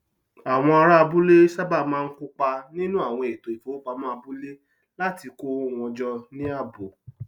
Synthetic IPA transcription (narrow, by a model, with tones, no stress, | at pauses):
a˨w̃ɔ̃˧a˧ɾa˦˧bu˦le˦sa˦ba˦˨mãː˦˧n̩˦ku˦k͡pa˧nĩ˦nũ˦a˦˨w̃ɔ̃˧e˨to˨i˨fo˨˦o˦k͡pa˨˧˦mɔ̃˦a˧bu˦le˦ | la˦ti˧ko˦˨w̃ɔ̃˧d͡ʒɔ˦nĩ˦a˦˨bo˨